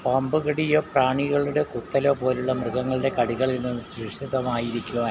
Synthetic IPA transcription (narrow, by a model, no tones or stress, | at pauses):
pɐmbɨɣɐɽijoːpraːɳiɣɐɭuɽe̞kut̪ːɐlo̞ːpo̞ːluɭːɐmrɨɣɐŋːɐɭɨɽe̞kɐɽiɣɐɭilnːunsriʂiðɐmaːjiɾikʲːuɐ